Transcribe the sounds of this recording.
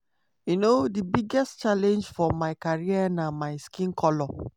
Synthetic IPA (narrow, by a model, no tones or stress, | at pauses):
junodibiɡɛstt͡ʃalɛ̃nd͡ʒfɔmaɪkaɹianamaɪskĩnkʰɔlɔ